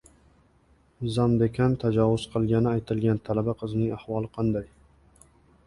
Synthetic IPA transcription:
zamd̪ekʰʲant̪ʰad͡ʒɒvʊz̥qʰɨlˠɡʲanɪajt̪ʰɪlɡʲant̪ʰalabaqʰɨznɪŋahvɒlˠɨqʰɑnd̪aj

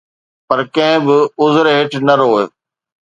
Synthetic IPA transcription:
pɐɾkɐ̃ɦɪ̃bɪʊzɾɦɪʈʰnɐɾoːj

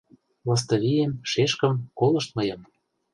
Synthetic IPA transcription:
lɑs̬t̪ɤ̆βijemʃeʃkə̆mkolɤ̆ʃt̪̚mɤ̆jɤ̆m

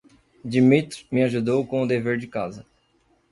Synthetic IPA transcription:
d͡ʒimit̪ɾmɪaʒud̪owkõʊd̪eveɾd͡ʒɪkazɐ

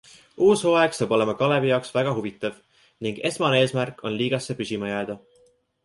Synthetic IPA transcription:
uːsoeɡ̥sɑːbo̞le̞mɑkɑlebijɑoksvæɡ̥ɑɦuvit̪ːˑɑv | niŋɡ̥e̞smɑnee̞ːsmærkːˑo̞nliːɡ̥ɑsːe̞pysʲimɑjæːd̪̥ɑ

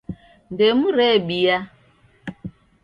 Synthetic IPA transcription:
ndɛmuɾɛɓia

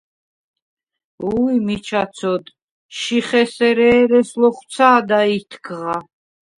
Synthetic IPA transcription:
ujmit͡ʃʰat̪sʰɔd̪ | ʃiχɛsɛɾɛːɾɛslɔχw̪sʰaːd̪ait̪ʰkʰʁa

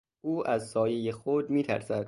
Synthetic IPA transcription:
ʔuːʔæzsɒːjejexod̪miːt̪ʰæ̰ɾsæd̪̥̚

